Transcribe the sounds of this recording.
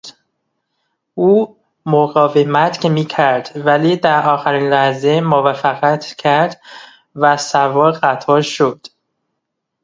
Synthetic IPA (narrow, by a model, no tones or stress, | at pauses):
uː | moɣɒːvemæt̪cʰe̞miːcʰæɾd̪̥væliːd̪æɾʔɒːxæɾiːnlæhze̞movæfæɣæt̪ʰcʰæɾd̪ | væsævɒːɾɣæt̪ʰɒːʃod̪̥